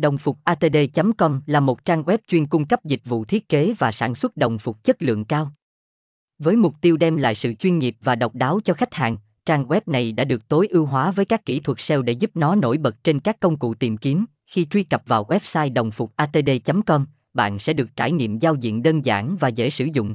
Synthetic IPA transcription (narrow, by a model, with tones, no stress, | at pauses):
ɗə˨˩wŋ͡mfʊ˨˩k͡p̚ʔaː˧t̪e˧ɗe˧t͡ɕə˨˦mkɔ˧mlaː˨˩mo˨˩t̚t͡ɕaː˧ŋɣwɛ˦˥p̚t͡ɕwi˧ənkʊ˧ŋ͡mkə˦˥p̚zï˨˩k̟̚vṵ˧˨t̪ʰi˦˥ət̚ke˨˦vaː˨˩sa̰ː˧˩nswə˦˥t̚ɗə˨˩wŋ͡mfʊ˨˩k͡p̚t͡ɕə˦˥t̚lɨ̰˧˨əŋkaː˧w | vəː˨˦jmʊ˨˩k͡p̚t̪i˧əwɗɛ˧mla̰ː˧˨jsɨ̰˧˨t͡ɕwi˧nŋi˨˩əp̚vaː˨˩ɗə˨˩wk͡p̚ɗaː˨˦wt͡ɕɔ˧xa˦˥jk̟̚ha̰ː˨˩ŋ | t͡ɕaː˧ŋwɛ˦˥p̚na˨˩jɗa̰ː˧˥ɗɨ˨˩ək̚t̪o˨˦jʔi˧wɦwaː˨˦vəː˨˦jkaː˦˥kːḭ˧˩t̪ʰwə˨˩k̚sɛ˧wɗḛ˧˩zu˦˥p̚nɔ˨˦no̰˧˩jɓə˨˩t̚t͡ɕe˧nkaː˦˥kːə˧wŋ͡mkṵ˧˨t̪i˨˩mki˨˦m | xi˧t͡ɕwi˧kə˨˩p̚vaː˨˩wɣwɛ˦˥p̚saː˧jɗə˨˩wŋ͡mfʊ˨˩k͡p̚ʔaː˧t̪e˧ɗe˧t͡ɕə˨˦mkɔ˧m | ɓa̰ː˧˨nsɛ̰˧˥ɗɨ˨˩ək̚t͡ɕaː˧˩jŋḭ˧˨əmzaː˧wzḭ˧˨əmɗəː˧nza̰ː˧˩nvaː˨˩zḛ˧˥sɨ̰˧˩zʊ̰˧˨ŋ͡m